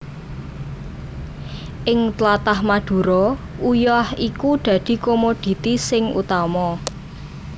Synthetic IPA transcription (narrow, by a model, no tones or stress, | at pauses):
ʔɪŋt̪lat̪ahmad̪̥ṳɾɔujɔhikud̪̥ä̤d̪̥i̤komod̪̥i̤t̪isɪŋṵt̪amɔ